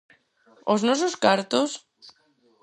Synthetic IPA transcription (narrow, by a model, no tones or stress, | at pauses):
oznososkaɾt̪os